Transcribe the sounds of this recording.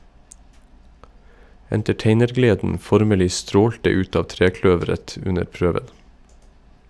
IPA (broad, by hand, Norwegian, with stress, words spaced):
ɛntɛˈʈeɪnəɾˌɡleːdn̩ ˈfɔɾməlɪ ˈstɾoːltə ˈʉt ˈɑː ˈtɾeːˌklœʋəɾət ˈʉnəɾ ˈpɾøːʋən